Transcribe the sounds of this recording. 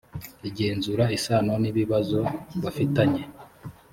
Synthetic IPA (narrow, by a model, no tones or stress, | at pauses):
iɟe̞ːnzuɾaisaːno̞niβiβazo̞βafitaɲe̞